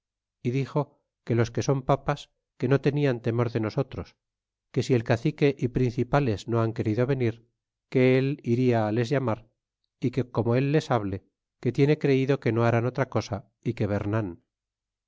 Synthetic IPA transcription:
iðixo̞ | ke̞lo̞ske̞so̞mpapas | ke̞no̞t̪e̞niant̪e̞mo̞ɾðe̞no̞so̞t̪ɾo̞s | ke̞sie̞lkaθike̞ʔipɾin̟θipale̞zno̞aŋke̞ɾiðo̞βe̞niɾ | ke̞eliɾiaːle̞zʝamaɾ | ike̞ko̞mo̞e̞lːe̞saβ̞le̞ | ke̞t̪je̞ne̞kɾe̞iðo̞ke̞no̞aɾano̞t̪ɾako̞sa | ike̞β̞e̞ɾnan

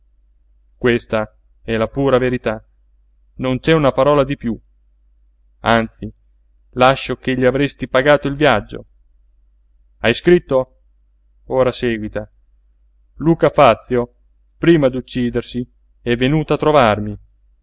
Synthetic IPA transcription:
kwest̪a | ɛlapuːɾaveɾit̪a | nont͡ʃɛunapaɾɔːlad̪ipju | ant̪si | laʃːokeʎːiavɾest̪ipaɡaːt̪oilvjad͡ʒːo̰ | ajskɾit̪ːo | oːɾasɛːɡwit̪a | luːkafat̪sːjo | pɾiːmad̪ut͡ʃːiːd̪ersi | ɛvːenuːt̪at̪ːɾovarmi

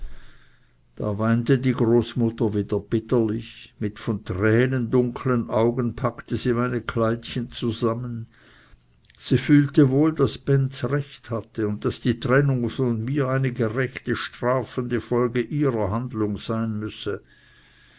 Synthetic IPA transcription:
d̥a̰ːvaɪntədiːɡʁoːsmʊtɐviːdɐb̥ɪtəlɪçmɪtfɔntʁ̥ɛːnəndʊŋkʰlənʔaʊɡənpʰaktəziːmaɪnəkʰlaɪtçənt͡suzamən | z̥iːfyːltəvoːldasb̥ɛntsʁɛçthatəʊnt̚d̥asd̥iːtʁ̥ɛnʊŋfɔnmiːɐaɪnəɡəʁɛçtəʃtʁ̥aːfəndəfɔlɡəʔiːʁɐɦandlʊŋz̥aɪnmʏsə

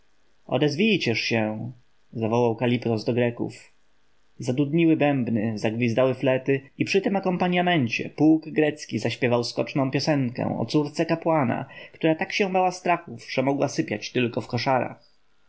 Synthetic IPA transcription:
ʔɔ̰d̪ɛzvʲijt͡ɕɛʂɕɛ | zavɔwawkalʲipt̪ɔzd̪ɔɡɾɛkṵf | zad̪ud̪ɲiwɘbɛmbnɘzaɡvʲizd̪awɘflɛt̪ɘipʂɘt̪ɛmakɔmpaɲamɛɲt͡ɕɛ̰puːɡɡɾɛt̪skʲizaɕpʲɛvawskɔ̰t͡ʂnɔ̃w̃pʲjɔsɛŋkɛ̰̃w̃ɔ̰t̪suɾt̪sɛkapwana̰kt̪uɾat̪akɕɛ̃bawast̪ɾaxufʐ̥ɛmɔɡwasɘpʲjat͡ɕt̪ɘlkɔfkɔʂaɾa̰x

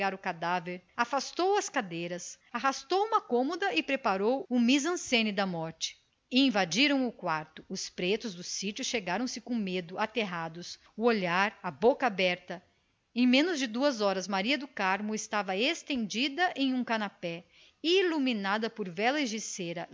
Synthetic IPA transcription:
aɾʊkad̪aveɾafast̪owɐskad̪ejɾɐs | aɦast̪owũmɐkõmod̪ɐɪpɾepaɾowʊmizɐ̃sẽnɪd̪ɐmɔɾt͡ʃɪ̥ | ɪĩvad͡ʒiɾɐ̃w̃ʊkwaɾt̪ʊʊspɾet̪ʊzd̪ʊsit͡ʃʊʃeɡaɾɐ̃w̃sɪkõmed̪ʊat̪eɦad̪ʊs | ʊoʎaɾɐbokɐabɛɾt̪ɐ | ẽj̃mẽnʊzd͡ʒɪd̪uɐzɔɾɐzmaɾiɐd̪ʊkaɾmʊɪst̪avɐest̪ẽnd͡ʒid̪ɐʔẽj̃ũkanapɛ | iluminad̪ɐpʊɾvɛlɐɪʒiseɾɐ

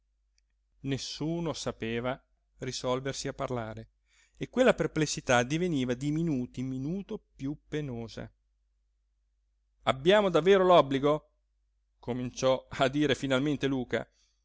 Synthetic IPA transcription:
nesːuːnosapeːva | risɔlversiapːarlaːɾe | ekːwelːaperplesːit̪ad̪iveniːvad̪iminuːt̪iminuːt̪opjupːenoːza̰ | abːjaːmod̪avːeːɾolɔbːliɡo | komint͡ʃɔad̪ːiːɾefinalment̪eluːka̰

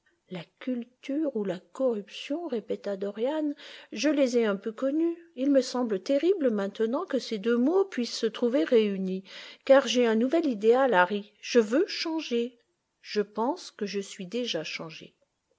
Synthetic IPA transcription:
lakʲylt̪yʁulakɔʁypsjɔ̃ʁepɛt̪ad̪ɔʁjanʒəlezɛɛ̃pøkɔnyilməsɑ̃blət̪eʁibləmɛ̃t̪ənɑ̃kəsed̪ømopɥisːət̪χuveʁeynikaʁʒeɛ̃nuvɛlid̪ealaʁiʒ̥əvøʃɑ̃ʒe | ʒ̥əpɑ̃skəʒəsɥid̪eʒaʃɑ̃ʒḛ

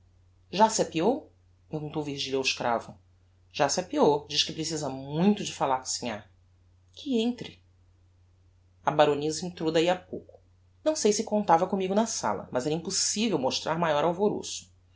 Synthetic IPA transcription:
ʒasapiow | pehɡũt̪owvihʒiʎawɪʃkɾa̰vʊ | ʒ̥asapiowd͡ʒiʃkɪpɾesizɐmũj̃t̪ʊd͡ʒɪfalaɾksĩɲa̰ | kʰɪẽnt̪ɾɪ | ɐbaɾonizɐĩt̪ɾowd̪aiapo̰wkʊ̥ | nɐ̃w̃sejsɪkõnt̪avɐkõmiɡʊnɐsa̰lɐ̰mɐzɛɾɐĩmpusivewmoʃt̪ɾʔaɾmajɔɾawvoɾo̰sʊ̥

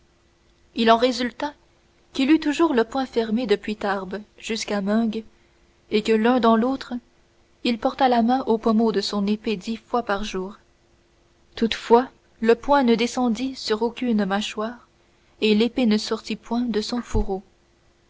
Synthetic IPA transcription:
ilɑ̃ʁezylt̪a | kʲilyt̪uʒuːʁləpwɛ̃fɛʁmed̪əpɥit̪aʁbʒ̥yskamœ̃ɡ | ekəlœ̃d̪ɑ̃lot̪χ | ilpɔʁt̪alamɛ̃ʔopɔmod̪əsɔ̃neped̪ifwapaʁʒuːʁ | t̪ut̪fwa | ləpwɛ̃nəd̪esɑ̃d̪isyʁokʲynmaʃwaːʁ | elepenəsɔʁt̪ipwɛ̃d̪əsɔ̃fuʁo

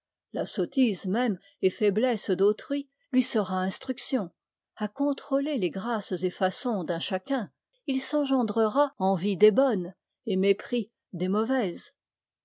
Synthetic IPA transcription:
lasɔt̪izmɛm | efɛblɛsd̪ot̪χɥi | lɥisəʁaɛ̃st̪χyksjɔ̃ | akɔ̃t̪χoleleɡʁaszefasɔ̃d̪ɛ̃ʃakʲɛ̃ | ilsɑ̃ʒɑ̃d̪ʁəʁaɑ̃vid̪ebɔn | emepχi | d̪emɔvɛz

